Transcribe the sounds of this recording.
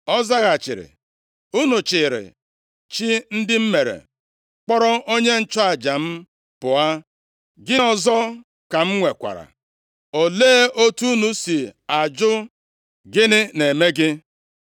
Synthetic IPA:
ɔ˦za˦ɣa˨t͡ʃɪ̰˨ɾɪ̰˨ | u˦nu˨t͡ʃɪ˨ɾɪ̰˨ | t͡ʃi˦n̩˦dɪ˦m̩˦me˨ɾḛ˨ | k͡pɔ˦ɾɔ˦o˦ɲe˦n̩˦t͡ʃɔ˦a˨d͡ʒa˨m̩˦ | pʊ˨a˦ | ɡɪ˦ɔ˦˨zɔ˦ | ka˨m̩˦ŋʷe˨kʷa̰˨ɾa̰˨ | o˨leː˦ʔo˦tu˦nu˦si˨a˨d͡ʒʊ˦ | ɡɪ˦nɪ˦ne˨me˦ɡɪ˦

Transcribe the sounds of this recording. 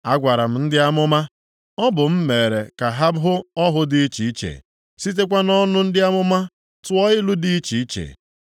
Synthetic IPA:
a˦ɡʷa˨ɾa˨m̩˨n̩˦dɪ˦a˦mʊ˦ma˦ | ɔ˦bʊ˨m̩˦me˨ɾḛ˨ka˨ɦa˦bɦʊ˦ɔ˦ɦʊ˦di˦i˦t͡ʃi˨i˦t͡ʃḛ˨ | si˦t̬e˦kʷa˦nɔ˦nʊ˦n̩˦dɪ˦a˦mʊ˦ma˦ | tʊ˦ɔ˦ɪ˦lu˦di˦t͡ʃi˨i˦t͡ʃḛ˨

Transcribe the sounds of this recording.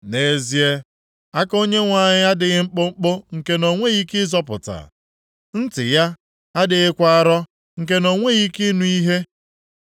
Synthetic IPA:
ne˨zi˦e˦ | a˦ko˦ɲe˦ŋʷa˨ɲɪ˦a˦dɪ˨ɣɪ˦ŋ͡m̩˦k͡pʊ˦ŋ͡m̩˦k͡pʊ˦ŋ̩˨ke˦no˨ŋʷe˦ɣi˦kɪ˦zɔ˦pʊ̰˨ta̰˨ | n̩˦tɪ̰˨ja˦ | a˦dɪ˨ɣɪ˦kʷa˦a˦˨ɾɔ˦ | ŋ̩˨k̬e˦no˨ŋʷe˦ɣi˦ki˦nu˦i˦ɦe˦

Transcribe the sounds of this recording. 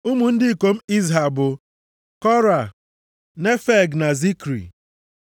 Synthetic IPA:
u˦mu˨n̩˦dɪ˦i˨ko˨m̩˦i˦zɦa˨bʊ˨ | kɔ˦ɾa˨ | ne˦fe˦ɡna˨zi˦kɾḭ˨

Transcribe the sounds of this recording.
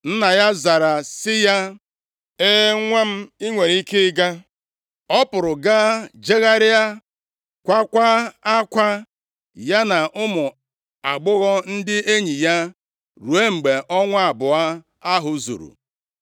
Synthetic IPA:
n̩˦na˨ja˦za˨ɾa˨sɪ˦ja˦ | e˦e˦ŋʷa˦m̩˦i˦ŋʷe˨ɾi˦ke˦ɡa˦ | ɔ˦pʊ˨ɾʊ˨ɡa˦d͡ʒe˦ɣa˦ɾɪ˦a˦ | kʷa˦kʷa˦a˦kʷa˦ | ja˦na˨ʔʊ˦mʊ˨ | a˨ɡ͡bʊ˦ɣɔ˦n̩˦dɪ˦e˦ɲi˨ja˦ | ɾu˨e˦ŋ͡m̩˨ɡ͡be˨ʔɔ˦ŋʷa˦a˨bʊ˨a˦ | a˦ɦʊ˨zṵ˨ɾṵ˨

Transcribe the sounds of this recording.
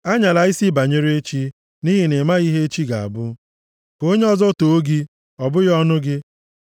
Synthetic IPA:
a˦ɲa˨la˨i˦si˦ba˨ɲe˦ɾe˦t͡ʃi˦ | ni˦ɦɪ˦ne˨ma˦ɣi˦ɦe˦e˦t͡ʃi˦ɡa̰˨a̰˨bʊ˦ | ko˦ɲe˦ɔ˦zɔ˦to˨o˦ɡi˦ | ɔ˨bʊ˦ɣɔ˦nʊ˦ɡɪ˦

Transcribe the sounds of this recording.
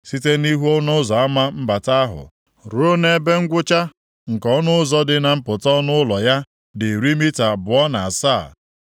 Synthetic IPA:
si˦te˦ni˦ɦu˦ɔ˦nʊ˦zɔ˨a˦ma˦m̩˦ba˨ta˦a˦ɦʊ̰˨ | ɾo˦ne˦be˦ŋ̩˦ɡʷʊ˦t͡ʃa˦ | ŋ̩˨kɔ˦nʊ˦zɔ˦dɪ˦na˨m̩˦pʊ˨tɔ˦nʊ˦lɔ˨ja˦ | dɪ˨ɾi˦mi˦ta˨bʊ˨ɔ˦na˨a˨saː˦˨

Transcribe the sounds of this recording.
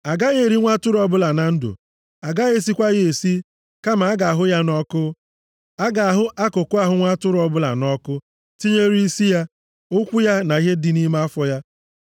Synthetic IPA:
a˨ɡa˦ɣe˨ɾi˦ŋʷa˦tʊ˦ɾʊ˦ɔ˦bʊ˦la˨na˨n̩˦dʊ̰˨ | a˨ɡa˦ɣe˦˨s̬i˦kʷa˦ɣe˨si˦ | ka˦ma˨a˦ɡa˨a˨ɦʊ˦ja˦nɔ˦kʊ˦ | a˦ɡa˨a˨ɦʊ˦ʔa˦kʊ˨kʊ˦a˦ɦʊ˦ŋʷa˦tʊ˦ɾʊ˨˦ɔ˨bʊ˦la̰˨nɔ˦kʊ˦ | ti˦ɲe˦ɾi˦i˦si˦ja˦ | ʊ˦kʷu˦ja˦na˨i˦ɦe˦dɪ˨ni˦ma˦a˦fɔ˦ja˦

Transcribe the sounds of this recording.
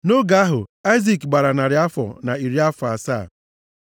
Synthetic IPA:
no˦ɡa˦a˦ɦʊ˨a˦jzi˨kɡ͡ba˨ɾa˨na˨ɾɪ˨a˦fɔ̰˨na˨i˨ɾi˦a˦fa˨sa̰ː˦˨

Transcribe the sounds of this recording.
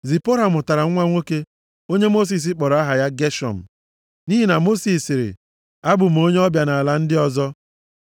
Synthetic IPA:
zi˨po˦ɾa˨mʊ˨ta˨ɾa˨ŋ̩ʷ˦a˦ŋʷo˦ke˦ | o˦ɲe˦mo˦s̬i˨s̬ɪ˦k͡pɔ˨ɾɔ˨˦a˦ɦa˨ja˦ɡe˦ʃɔ̰˨m̩˨ | ni˦ɦi˨na˨mo˦si˨sɪ˨ɾɪ̰˨ | a˦bʊ˨m̩˨o˦ɲe˦ɔ˦bja˨na˨a˨la˦n̩˦dɪ˦ɔ˨zɔ˦

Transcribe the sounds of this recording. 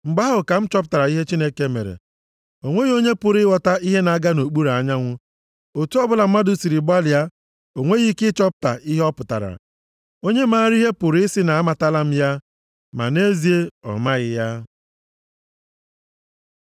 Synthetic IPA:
ŋ͡m̩˨ɡ͡ba˦ɦʊ˨ka˨m̩˦t͡ʃɔ˦pta˨ɾa˨i˦ɦe˦t͡ʃi˦ne˦ke˦mḛ˨ɾḛ˨ | o˨ŋʷe˦ɣo˦ɲe˦pʊ˨ɾɪ˦wɔ˨ta˦i˦ɦe˦na˨a˦ɡa˦no˨k͡pu˦ɾa˨ɲa˦ŋʷʊ˦ | o˨tu˦ɔ˦bʊ˦la˨m̩˦ma˦dʊ˨si˨ɾi˨ba˦li˨a˦ | o˨ŋʷe˦ɣi˦kɪ˦t͡ʃɔ˦p̚ta̰˨ʔi˦ɦɛ˦ɔ˦pʊ˨ta̰˨ɾa̰˨ | o˦ɲe˦maː˦ɾi˦ɦe˦pʊ˨ɾsɪ˦na˨a˦ma˨ta˦la˦m̩˦ja˦ | ma̰˨ne˦zi˨e˦ɔ̰˨ma˦ɣɪ˦ja˦

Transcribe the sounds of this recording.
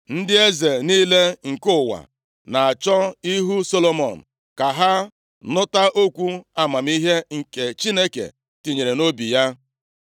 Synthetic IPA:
n̩˦dɪ˦e˦ze˨niː˦le˦ŋ̩˨kʊ˦wa̰˨ | na˨a˨t͡ʃɔ˦i˦ɦu˦so˦lo˦mɔ˨n̩˨ | ka˨ɦa˦ | nʊ˦ta˦ʔo˦kʷu˦a˦ma˨m̩˦i˦ɦe˦ŋ̩˨ke˨t͡ʃi˦ne˦kḛ˨ | ti˨ɲe˨ɾe˨no˦bi˨ja˦

